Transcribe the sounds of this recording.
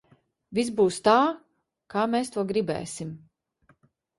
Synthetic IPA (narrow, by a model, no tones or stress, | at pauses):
viz̬buːst̪aː | kaːmeːst̪uɔɡɾibɛ̰ːsim